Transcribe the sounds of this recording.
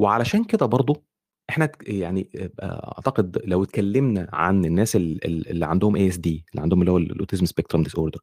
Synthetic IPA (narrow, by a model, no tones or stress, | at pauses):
weʕalæʃæːnked̪æbɑɾˤd̪ˤo | ʔeħnæjaʕniʔæ̰ʔɑ̰ʕt̪ɑqed̪læwt̪̚kælːemnæʕa̰nenːæːselḛlḛlːiʕand̪ohomʔeːʔsd̪iːelːḭʕand̪ohomelːihowællʔo̰t̪izmspek̚t̪ɾomd̪isʔoːɾd̪eɾ